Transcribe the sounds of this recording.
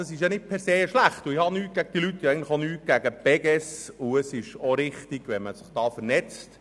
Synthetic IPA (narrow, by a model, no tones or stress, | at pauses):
ɑsɪʃjɑnɪt̚pʰɛɾseːəʃlæχt̪uɪhɑnyːt̚ɡ̥æɡ̥əd̥ilytːjɑɛɡən̩tlə̥χonyːɡ̥æɡəpɛɡɛsʊəsɪʃoɾɪχt̪iɡ̥ʋɛməsɪχd̥ɑːfəɾnɛt͡st